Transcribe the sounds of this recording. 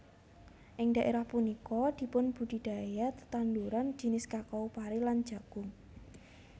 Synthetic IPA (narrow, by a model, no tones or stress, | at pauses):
ʔɪŋd̥̪a̤ʔeɾahpunikɔd̪̥i̤pʊnb̥ṳɖ̪̥i̤d̪̥a̤jat̪t̪anduɾand͡ʒ̥i̤nɪskakɔupaɾelandd͡ʒ̥a̤ɡ̥ʊŋ